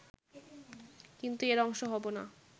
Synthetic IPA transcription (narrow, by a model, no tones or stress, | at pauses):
kint̪ueɾɔŋʃoɦɔbona